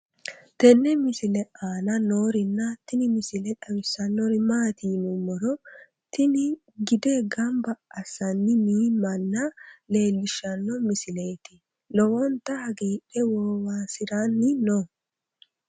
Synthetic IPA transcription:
t̪ɛnːɛmɪsɪlɛaːnɐnoːɾɪnːɐt̪ɪnɪmɪsɪlɛᶑɐwɪsːɐnːɔɾɪmaːt̪iːnʊmːɔɾɔ | t̪ɪnɪ | ɡɪd̪eɡɐmbɐːsɐnːɪmiːmːɐnːɐle̞ːlːɪʃːɐnːɔmɪsɪle̞ːt̪ɪ | lɔwɔnt̪ːɐhɐɡiːᶑɛwɔːwaːsɪɾanːɪno

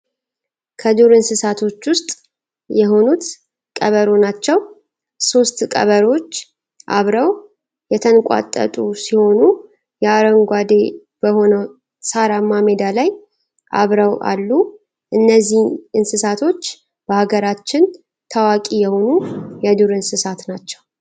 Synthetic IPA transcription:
kʰəd̪uɾɨnsɨsat̪ʰo̞t͡ʃːwʊst̪ʼ | jɛɦo̞nut̪ | kʼəβəɾonat͡ʃːɛw | so̞st̪kʼə̰βəɾo̞t͡ʃː | ʔa̰βɾəw | jɛt̪ʰənkʼa̰t̪ʼːə̰t̪ʼusiho̞nu | jɛaɾəŋɡʷad̪e̞ | b̥əho̞nəw | saɾamamed̪alaj | ʔa̰βɾəwʔa̰lːu | ʔɨnːəzːihʔɨnsɨsat̪ʰo̞t͡ʃː | b̥əhaɡəɾat͡ʃːɪn | t̪ʰawakʼijɛho̞nujɛd̪uɾɨnsɨsat̪nat͡ʃːɛw

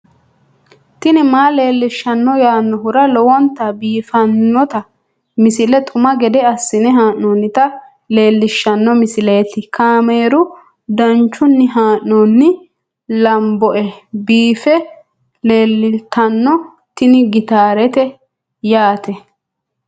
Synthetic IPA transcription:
t̪ɪnɪmaːle̞ːlːɪʃːɐnːɔjaːnːɔɦʊɾɐlɔwɔnt̪ɐbiːfɐnːɔt̪ɐ | mɪsɪlɛt̪ʰʼʊmɐɡɛd̪ɛɐsːɪnɛɦaːʔnoːnːɪt̪ɐ | le̞ːlːɪʃːɐnːɔmɪsɪleːt̪ɪkaːmeːɾʊ | d̪ɐnt͡ʃːʊnːɪɦaːʔnoːnːɪ | lɐmbɔʔɛbiːfɛ | le̞ːlːɪt̪ɐnːɔ | t̪ɪnɪɡɪt̪aːɾɛt̪ɛ | jaːt̪ɛ

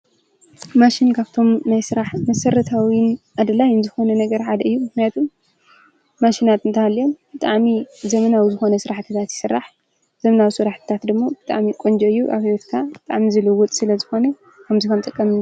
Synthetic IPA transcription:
maʃinkʰaβt̪ʰo̞mnajsɨɾaħmɐsɐɾɐt̪ʰawinʔad̪ɐlajɨnzɨxo̞nɐnɐɡɐɾħad̪ɐɨjːumɨknijat̪ʰumː | aʃinat̪ɨnt̪ʰɐhalːio̞mb̥ɨt̪ʼaʕmizɐmɐnawizɨxo̞nɐsɨɾaħt̪ʰɨt̪ʰat̪jɪ̥sɨrːaħ | z̥ɐmɐnawsɨɾaħt̪ʰɨ̥t̪ʰat̪d̪ɨmːobɨt̪ʼa̰ʕmikʼond͡ʒɐɨjːuʔa̰βhawɛt̪kʰabɨt̪ʼa̰ʕmizɨlɨwːɔt̪ʼsɨlɐzɨxo̞nɐ | kʰɐmzikʰɐmt̪ʼɨkʼːɐmɨ

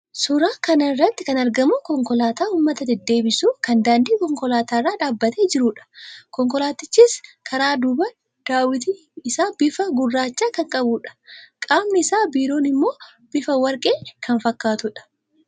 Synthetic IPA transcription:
sʊɾaːkɐnɐɪrːɐt̪ːɪkɐnɐɾɡɐmʊkɔŋkɔlaːt̪aːuːmːɐt̪ɐd̪ɛd̪ːe̞ːbɪsuːkɐnd̪aːnd̪iːkɔŋkɔlaːt̪aːrːaːᶑaːbːɐt̪eːd͡ʒɪɾuːᶑɐ̥kɔŋkɔlaːt̪ɪt͡ʃːiːskʰɐɾaːd̪ʊbɐ | d̪̥aːwɪt̪i | ɪsaːbɪfɐɡʊrːaːt͡ʃːaːkɐŋkʼɐbuːᶑɐ̥kʼaːmnɪɪsaːbiːɾo̞ːnɪmːo̞ː | b̥ɪfɐwɐɾkʼe̞ːkʰɐnfɐkːaːt̪ʊᶑɐ̥

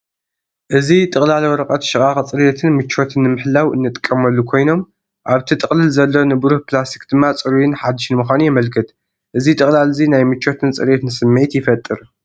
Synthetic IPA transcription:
ʔɨzit̪ʼɨχʼlalwɾɐqʼɐt̪ʃɨχʼaχt͡sʼɨɾet̪ʰɨnmɨt͡ʃʰːo̞t̪ʰɨnːɨmɨħlawɨ̰nːɨt̪ʼɨkʼːɐmɐlːukʰo̞jno̞m | ʔaβt̪ʰit̪ʼɨχʼlɨlzɐlːo̞nɨbɨɾuħplasi̥kd̪̥ɨmːat͡sʼɨɾujɪnħad̪ːɨʃnɨmɨxʷanijɛmɐlkʰɨt̪ | ʔɨzit̪ʼɨχʼlalzinajmɨt͡ʃʰːo̞t̪ʰɨnt͡sʼɐɾet̪nɨsɨmːɨʕit̪jɪfɐt̪ʼːɨɾ

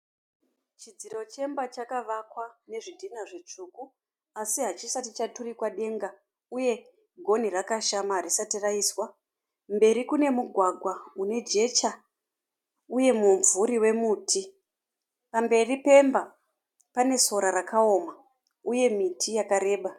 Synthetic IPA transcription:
t͡ʃid͡ziɾo̞t͡ʃe̞mbat͡ʃakaʋakwane̞ʐidʱinaʐet͡ʂuku | asiɦat͡ʃisatit͡ʃaturikwaɗe̞ŋɡa | uje̞ | ɡʱo̞nirakaʃamaɦːɾisatiraiswa | mbe̞ɾikune̞muɡʱwaɡʱwaune̞d͡ʒe̞t͡ʃa | uje̞mumvuɾiwe̞muːtʰi | pambe̞ripe̞mba | pane̞so̞ɾaɾakao̞ma | uje̞mitʰijakaɾe̞ːɓa

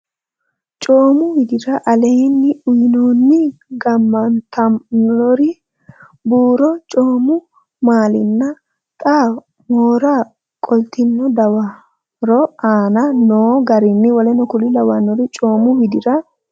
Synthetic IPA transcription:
t͡ʃʼoːmʊwɪd̪ɪɾɐʔɐleːnːɪʊjnoːnːɪɡɐmːɐnt̪ʰɐnɔɾɪ | buːɾɔt͡ʃʼoːmʊ | maːlɪnːɐ | t̪ʼaː | moːɾa | kʼɔlt̪ɪnːɔd̪ɐwɐ | ɾɔaːnɐnoːɡɐɾɪnːɪwɔlɛnɔkʊlɪlɐwɐnːɔɾɪt͡ʃʼo̞ːmʊwɪd̪ɪɾɐ

